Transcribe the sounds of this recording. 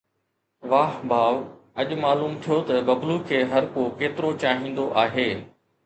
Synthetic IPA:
ʋaːɦbʱaːʋ | ɐʄʊmaːluːmt̪ʰijot̪ɐbɐbluːkʰeːɦɐɾkokeːt̪ɪɾot͡ɕaːɦĩːn̆d̪oʔaːɦeː

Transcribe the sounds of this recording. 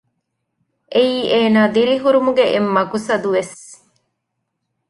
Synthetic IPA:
ʔeiːʔeːnaːd̪iɾiɦuɾumuɡeʔemːɐɡusɐd̪uʋes

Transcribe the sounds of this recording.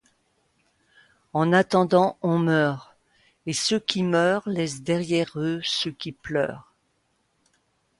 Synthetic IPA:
ɑ̃nat̪ɑ̃d̪ɑ̃ɔ̃mœːʁ | esøkʲimœːʁlɛs̬d̪ɛʁjɛʁøsøkʲiplœ̰ːʁ

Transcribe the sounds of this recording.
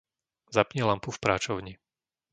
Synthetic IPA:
zapɲɛlampufpɾaːt͡ʃɔʊɲi

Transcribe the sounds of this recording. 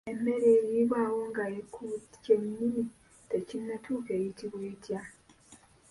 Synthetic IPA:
eme̞ɾeɾiːβwaːwoŋɡaekuceɲːimi | tecinːatʰuːke̞jitiβweːtʰja

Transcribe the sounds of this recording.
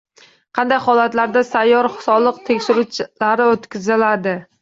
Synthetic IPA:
qʰɑnd̪ajhɒlat̪laɾd̪asajːɒɾsɒlˠɨq̚t̪ʰekʲʃɪɾut͡ʃʰlaɾɪot̪kʲʰɪzɪlad̪ɪ

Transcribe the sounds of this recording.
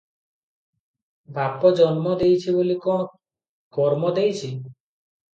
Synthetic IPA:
bʱapɔd͡ʒɔnmɔd̪ejt͡ʃʰibolikɔ | kɔɾmɔd̪ejt͡ʃʰi

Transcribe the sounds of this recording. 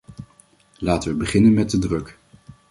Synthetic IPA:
laːtəʋəbəχɪnənmɛt̚dədrɵk

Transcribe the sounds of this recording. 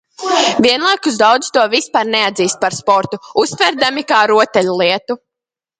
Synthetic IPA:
vʲiɛnlˠajkuzd̪awd̪z̥t̪uɔvispaɾnɛad̪ziːst̪̚paɾspɔɾt̪uust̪vʲɛɾd̪amikaːɾuɔt̪ɛlʲulˠiɛt̪u

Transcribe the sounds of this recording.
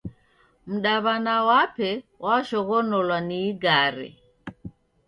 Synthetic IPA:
m̩ɗaβanawapɛwʔaʃɔɣɔnɔlwaniːɡaɾḭ

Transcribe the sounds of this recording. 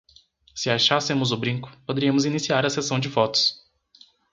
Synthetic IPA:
sɪaʃasɪmʊzʊbɾĩkʊ̥pod̪eɾiɐ̃mʊzinisiaɾɐsesɐ̃w̃d͡ʒɪfɔt̪ʊ̥s

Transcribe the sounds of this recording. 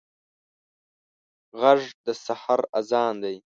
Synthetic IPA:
ʁaʐd̪əsahaɾazɑːnd̪aj

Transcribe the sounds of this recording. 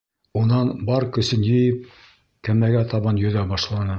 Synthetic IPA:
unɑnbɑɾkɵ̆sɘnjɘ̆jɘp̚ | kæmæɡæt̪ɑβɑnjɵ̆ðæbɑʃlˠɑnɤ

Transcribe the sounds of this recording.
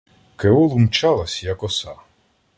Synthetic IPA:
keɔlˠumt͡ʃɑlˠɐsʲjɐkɔsɑ

